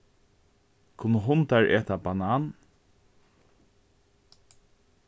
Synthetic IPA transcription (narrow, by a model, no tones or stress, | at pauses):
kʰʊnːəɦʊnt̪aɹʔɛːt̪abanaːn